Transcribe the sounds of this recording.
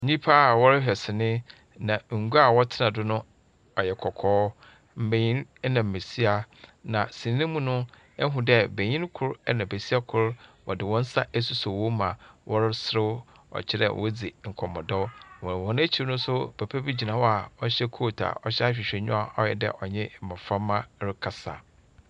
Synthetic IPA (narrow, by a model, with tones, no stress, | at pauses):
ɲĩ˦pʰa˦˨wɔ˦ɾɪ˦ɕᶣɛ˨sɪ˨nɪ̃˦ | nã˨ŋ̩˨ɡu˦a˨wɔ˦tʰɪ˦nã˨dʊ˦nʊ̃˦ | ɔ˨jɛ˨kʰɔ˨kʰɔː˦ | m̩˨bẽ˨ɲĩ˦nɛ˦nã˨m̩˨me˨si˦a˨nã˨sĩ˨n˦nɪ̃˦mũ˦nʊ̃˦ | ɛ˦ɦũ˨dɛ˦be˨ɲĩ˦n˦kʰʊ˦ɾnã˨be˨si˦a˦kʰʊ˦ɾwʔɔ̰˨dɪ˨wɔ̃˦n̩˦sa˦ʔɛ˦su˦so˨wɔ̃˦mã˨wʔɔ˦ɾsɾɪ˦w | ɔ̰˨t͡ɕʰɪ˦ɾɛ̰˨wʔɔ˦d͡zi˨ŋ̩˨kʰɔ˨mɔ̃˨dɔ˦wɔ̃˨ɾɔ̃˨nʊ̃˦æ˦t͡ɕʰi˨ɾnʊ̃˦sʊ˦pʰæ˨pʰæ˦bi˦d͡ʑi˨nã˨wɔ˦a˨ɔ˦ɕɛ˦kʰo˦˨tʰa̰˨ɔ˦ɕɛ˦a˦ɕᶣɪ˨ɕᶣɛ˨ɲʊ̰̃˦a˨ɔ˦jɛ̰˨dɛ̰˦ʔɔ˨ɲɛ̃˦˨mã˨fã˦mːã˦ɾɪ˦kʰa˨sa̰˨